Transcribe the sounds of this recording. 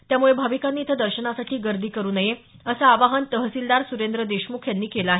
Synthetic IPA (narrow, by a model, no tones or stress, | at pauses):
t̪jamuɭebʱaʋikanːiːt̪ʰəd̪əɾɕəɳasaʈʰiːɡəɾd̪ʱiːkəɾuːnəje | əsaːʋaɦənt̪əɦəsild̪aɾsuɾend̪ɾəd̪eɕmukʰjanːiːkelaaːɦe